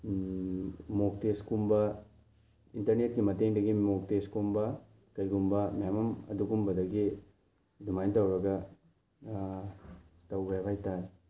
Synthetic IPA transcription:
mok̚teskumbɐ | intɐɾnet̚kimɐteŋdɐɡimok̚teskumbɐ | kɐjɡumbɐmjamɐmɐ̰duɡumbɐdɐɡi | dumajntɐwɾɐɡɐ | tɐwbajabʱajta

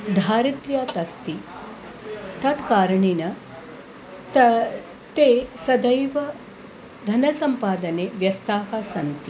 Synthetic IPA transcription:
d̪ʱaːɾit̪ɾjaːt̪ɐst̪i | t̪ɐt̪kaːɾɐɳinɐ | t̪ | t̪eːsɐd̪ɐjʋɐ | d̪ʱɐnɐsɐmpaːd̪ɐneːʋjɐst̪aːɦɐsɐnt̪i

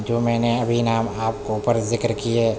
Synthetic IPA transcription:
d͡ʒoːmɛːneɐbʱinaːmaːpkoʊpəɾzɪkɾkie

